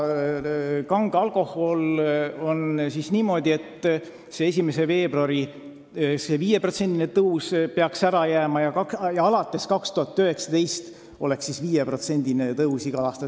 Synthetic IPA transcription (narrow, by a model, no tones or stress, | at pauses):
kɑŋɡ̥ɑlko̞ho̞lo̞nsisniːmo̞d̪̥ʲiet̪ː | se̞es̬ʲime̞se̞ve̞ːbrɑɾi | seviːje̞pro̞t̪se̞nd̪̥inet̪ɤwspeɑksæɾɑjæːmɑjɑkɑkjɑɑlɑt̪ːˑe̞skɑkst̪uɦɑt̪ːˑøhe̞ksɑ̥d̪̥e̞jst̪ | o̞̰le̞ksːisviːjepro̞t̪se̞nʲd̪inet̪ɤusiɡ̥ɑlɑːst̪ɑ